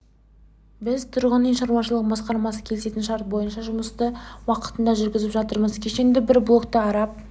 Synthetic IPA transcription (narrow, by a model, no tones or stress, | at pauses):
bɪzt̪ʰʊɾʁənəŋʃɑɾwɑʃəlˠəʁəbɑsqɑɾmɑsəkʲʰe̞lɪse̞t̪ɪnʃɑɾt̪̚bo̞jənʃɑʒʊməst̪əwɑqə̥t̪ənd̪ɑʒʏɾɡʲɪzɪpʒɑt̪əɾməzkʲʰe̞ʃe̞ŋd̪ʲɪbɪɾblˠo̞kt̪əɑɾɑp̚